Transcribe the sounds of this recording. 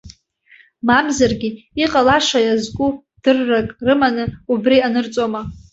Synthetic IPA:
mamzarɡʲi | iqʼalaʂajazkʷʼu | d̥ɨrːakʼrɨmanɨubrianɨrt͡sʼoma

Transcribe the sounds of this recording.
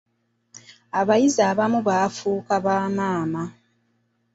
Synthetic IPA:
aβajizaːβamuβaːfuːkaβaːmaːma

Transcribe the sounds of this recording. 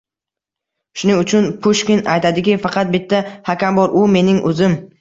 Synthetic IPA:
ʃʊnɪŋʊt͡ʃʰʊnpʰʊʃkʲɪnajt̪ʰad̪ɪkʲɪfɑqʰɑt̪̚bɪt̪ʰːahakʲambɒɾʔʊme̞nɪŋʔɵzɪm

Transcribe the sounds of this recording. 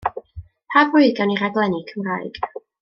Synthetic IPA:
pʰaɡʊɨɡaniɾaɡlˠɛnikʰəmraːɨjɡ̥

